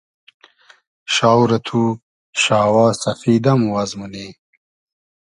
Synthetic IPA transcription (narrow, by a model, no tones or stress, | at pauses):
ɕaːwɾɐt̪ʰu | ɕaːwaːsɐfiːd̪ɐmuwɐzmune